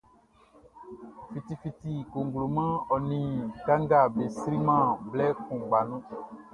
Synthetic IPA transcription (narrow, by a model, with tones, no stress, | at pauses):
fi˨t̪i˨fi˨t̪i˨ko˨ŋ˨ɡlo˨mɛ̃˦ɔ˨nĩ˨ka˦ŋ˦ɡa˨be˨sɾi˦mã˦˨blɛ˦kũ˨ɡ͡ba˨nũ˦